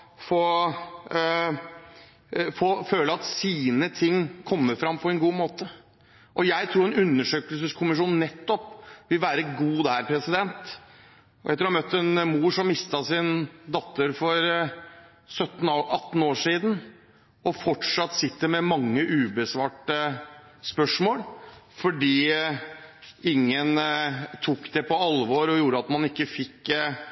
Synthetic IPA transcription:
fɔ | fɔføːləɑt̪siːnət̪ʰɪŋːkʰɔmːəɾfɾɑmpʰɔɛnɡuːmoːt̪ə | ʔɔjæɪt̪ʰɾuːɾɛnʉnːəʂøːkəlsəskʰʊmɪʂuːnnɛt̪ːɔpʋɪlʋæːɾəɡuːd̪æɾpʰɾɛsɪd̪ɛnt̪ | ɔɛt̪əɾɔhɑmœt̪ːɛnmuːʂɔmːɪst̪ɑsɪnd̪ɑt̪ːəɾfɔɾ | sœt̪ːn̩ʔɑt̪ːn̩oːʂiːd̪n̩ | ɔfɔʈʂɑt̪ːsɪt̪ːəmɛmɑŋːəʔʉːbəsʋɑːʈəspœʂmoːlfɔɖiː | ɪŋːənt̪ʰukd̪ɛpʰɔɑlʋoːɾɔjuːɾəɑt̪mɑnɪkːəfɪkː

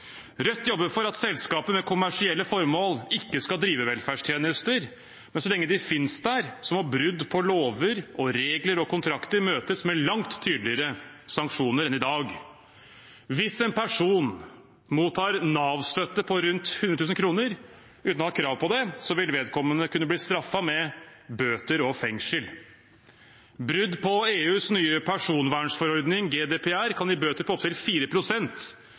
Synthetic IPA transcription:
ɾœt̪ːjɔbːəfɔɾɑt̪sɛlskɑːpəmɛkʰʊmæʂɪɛlːəfɔɾmoːlɪkːəskɑld̪ɾiːʋəʋɛlfæːʂʈʰjeːnəst̪əɾ | mɛnsɔlɛŋːəd̪ɪfɪnsd̪æɾsɔmɔbɾʉd̪ːpʰɔloːʋəɾɔɾeːɡləɾɔkʰʊnt̪ʰɾɑkt̪əɾmøːt̪əsmɛlɑŋt̪ʰːyːd̪lɪəɾəsɑŋkʂuːnəɾɛnɪd̪ɑːɡ | ʋɪsɛnpʰæʂuːn | muːt̪ʰːɑːɾnɑːʋst̪œt̪ːəpʰɔɾʉnt̪hʉnɾt̪ʉːsən̩kʰɾuːnəɾ | ʉːt̪nɔhɑkʰɾɑːʋpɔd̪ɛsɔʋɪlʋeːd̪kʰɔmːənəkʰʉnːəbliːst̪ɾɑfːɑmɛbøːt̪əɾɔfɛŋʂəl | bɾʏd̪pʰɔeːʉːsnyːəpʰæʂuːnʋæːɳʂfɔɾɔɾd̪nɪŋɡeːd̪eːpʰɛæɾkʰɑnɪbøːt̪əɾpʰɔɔpt̪ʰɪlfiːɾəpʰɾʊsɛnt̪

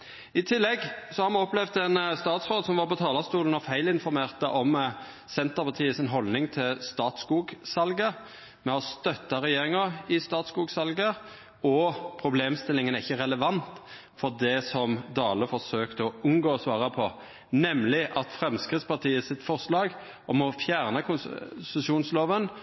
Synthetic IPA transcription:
ɪt̪ʰɪlːɛɡsɔhɑɾmɑnɔplɛʋd̪ɛnst̪ɑːt̪sʁoːd̪sɔmʋɑɾpɔt̪ʰɑːlɑst̪uːlən̩ɔfæɪlɪnfɔɾmeːʁt̪əʔɔm | sɛnt̪əʁpɑt̪ʰiːəsɪnɦɔlnɪŋt̪ʰɪlst̪ɑːt̪skuːɡsɑlɡə | mɛɔst̪œt̪ːɑɾɛjeːɾɪŋɑɪst̪ɑːt̪skuːɡsɑlɡə | ɔpʰɾʊbleːmst̪ɪlɪŋənæɪçːəɾɛləʋɑnt̪ | fɔʁd̪ɛsɔmd̪ɑːləfɔʁsøːkt̪əɔʉŋɡoːsʋɑːʁɑpʰɔ | nɛmlɪʔɑt̪fʁɛmskʁɪt̪spɑt̪ʰiːəsɪt̪fɔʁslɑːɡ | ɔmɔfjæːʁnəkʰʊnsəsuːnsloːʋən

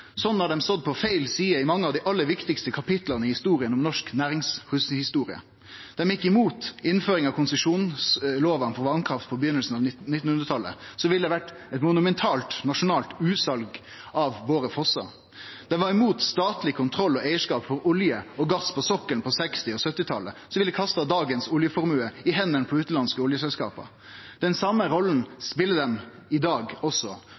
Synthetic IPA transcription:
sɔnːhɑd̪ɛmsɔd̪̚pʰɔfeɪlsiːəɪmɑŋːəɑʋd̪ɪʔɑlːəʋɪkt̪ɪkst̪əkʰɑpɪt̪lɑnəɪhɪst̪uːɾɪənɔmnɔʂknæːɾɪŋshʉshɪst̪uːɾɪə̰ | d̪̥ɛmjɪkːɪmuːt̪ɪnføːɾɪŋɑʋkʰʊnsəʂuːnsloːʋɑnfɔɾʋɑnkʰɾɑft̪̚pʰɔbəjʏnːəlsn̩ɑʋnɪt̪ːn̩hʉnɾət̪ʰɑlːə̰sɔʋɪləd̪ɛʋæʈː | ɛt̪mʊnʉmɛnt̪ʰɑːlt̪nɑʂʊnɑːlt̪ʉːsɑlɡ | ɑʋʋoːɾəfɔsɑ̰ | d̪̥ɛʋɑɾɪmuːt̪st̪ɑːt̪lɪkʰʊnt̪ʰɾɔlːɔæɪəʂkɑːpfɔɾʊljəɔɡɑspʰɔsɔkːəlpʰɔsɛkst̪ɪɔsœt̪ːɪt̪ʰɑlːəsɔʋɪld̪ɛkʰɑst̪ɑd̪ɑːɡənsʊljəfɔɾmʉːəɪɦɛnːənpʰɔʉːt̪lɑnskəʊljəsɛlskɑ̰ːpə̰ | d̪̥ɛnsɑmːəɾɔlːn̩spɪlːəd̪ɛm | ɪd̪ɑːɡɔsːɔ

